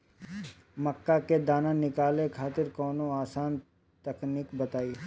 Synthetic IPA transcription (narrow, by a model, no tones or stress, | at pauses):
məkːaked̪aːnanɪkaːlẽkʰaːt̪ɪɾkɔːnoaːsaːn | t̪ɐkniːkbɐt̪aːiː